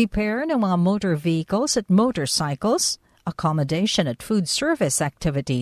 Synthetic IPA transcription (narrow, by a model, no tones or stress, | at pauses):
ipʰɛɹnõəmoʊɾə˞viɨkl̩ˠz̥ɨt̚moʊɾə˞saɪkl̩ˠz̥ | əkʰɑmədeɪʃɨ̃nɨtfudsɜ˞vɨsæk̚tʰɪvɨɾi